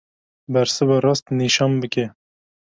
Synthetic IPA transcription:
bɛɾsɨbɑɾɑːst̪niʃɑːnbɨkɛ

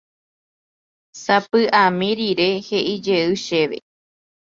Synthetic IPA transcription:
sapɨʔamĩɾiɾehe̞ʔid͡ʒeɨʃe̞ʋe̞̰

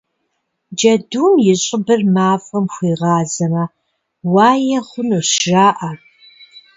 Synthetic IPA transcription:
d͡ʒɐduːnjɪɕʼɪbɨrmaːfʼɐmxʷiːʁɑːzɐmɐ | wɑːjɛχʷʊnuɕʒaːʔɐ

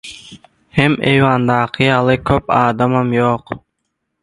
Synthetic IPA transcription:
hemḛjwɑnd̪ɑːqʰɯjɑlˠɯkʰøpɑːd̪ɑmɑmjoq

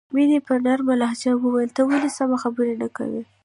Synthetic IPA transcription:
minipəɾnaɾmalahd͡ʒawəwajəlt̪əwalisamaxabəɾenaka̰wḭ

